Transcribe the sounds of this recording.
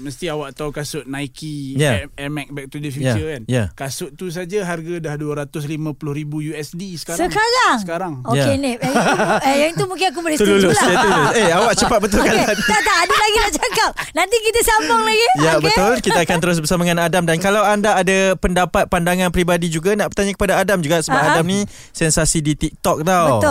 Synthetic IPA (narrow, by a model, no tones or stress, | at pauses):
məst̪iawaʔt̪awkasʊʔ̚naikijaɛmɛk̚bɛk̚t̪udəfijaəkanjakasʊʔt̪us̬ad͡ʒaɦarɡadahduaɾat̪ʊs̬limãpulʊhɾibujuɛsdisə̥kasəkaɾaŋsəkaɾaŋojakenip̚ɛjaŋit̪umũŋk̬ɪnak̬ubəlisululʊsaulʊseawaʔt͡ʃəpat̪̚bət̪ʊlkalant̪aʔt̪aʔadəlaɡilaʔt͡ʃakap̚nãnt̪ikit̪asambɔŋlaɡijabət̪ʊlkit̪aːkant̪əɾʊs̬bərsamaəŋanadamdankalawandaːdapəndapat̪̚pandaŋanpɾibadid͡ʒuɡanaʔbəɾt̪aɲakə̥padaadamd͡ʒuɡaʔsəbbapadamnĩ | sɛnsasidit̪ik̚t̪ɔk̚t̪abət̪ʊ